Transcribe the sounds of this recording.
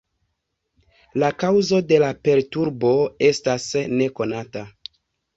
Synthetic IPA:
lakawzo̞de̞lape̞ɾtuɾbo̞e̞stasne̞ko̞nata

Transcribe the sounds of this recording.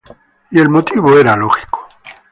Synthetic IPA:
ie̞lmot̪iβoeɾalo̞xi̥ko̥

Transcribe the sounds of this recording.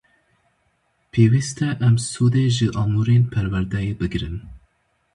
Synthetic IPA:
pʰeːwist̪ʰɛʔɛmsuːd̪eːʒɨʔɑːmuɾeːnpʰɛɾwæɾd̪ɛjeːbɨɡɾɨn

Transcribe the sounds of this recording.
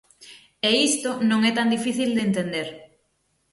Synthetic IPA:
eist̪onõŋɛt̪and̪ifiθild̪ent̪end̪eɾ

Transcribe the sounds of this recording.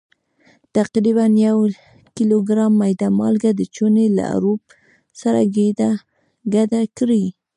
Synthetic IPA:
t̪aqɾiβanjaw | kiloɡɾɑmːajd̪amɑ̰lɡad̪ət͡ʃonela̰a̰ɾop | saɾa̰ɡed̪a | ɡad̪akɾi

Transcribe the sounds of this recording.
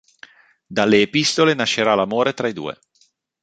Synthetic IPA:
d̪alːeːpist̪olenaʃːeɾalamoːɾet̪ɾaid̪ṵːḛ

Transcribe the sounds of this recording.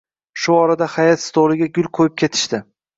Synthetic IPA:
ʃʊɒɾad̪ahajat̪st̪ʰolɪɡʲaɡʲʊlˠqʰojɪp̚kʲʰe̞t̪ʰɪ̥ʃt̪ɪ

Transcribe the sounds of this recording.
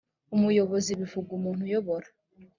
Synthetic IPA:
umujo̞βo̞ziβivuɡumuːn̥hujoβoɾa

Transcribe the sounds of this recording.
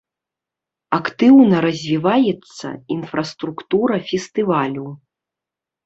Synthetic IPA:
akt̪ɨwnɐɾɐzʲvʲivajɛt̪sːɐ̰infɾɐst̪ɾukt̪uɾɐfʲɛst̪ɨvalʲu

